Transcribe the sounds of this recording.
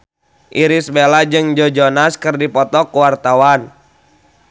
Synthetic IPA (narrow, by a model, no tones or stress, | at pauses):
ʔiɾisbelad͡ʒɨŋd͡ʒɔd͡ʒɔnaskɨrdipɔt̪ɔkuwart̪awan